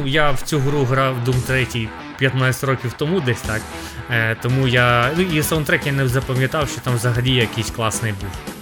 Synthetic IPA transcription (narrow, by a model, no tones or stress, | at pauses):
jawt͡sʲuɦɾuɦɾɑwd̪umt̪ɾɛtʲij | pʲjɐt̪nɑt͡sʲt̪ʲrɾɔkʲiwt̪ɔmud̪ɛsʲt̪ɑk | t̪ɔmujanuisɐwnt̪ɾɛtʲjanɛzɐpɐmʲjɐt̪ɑwʃt͡ʃɔt̪ɑmʋzɐɦɐlʲijɛjɐkisʲklˠɑsnɪjbul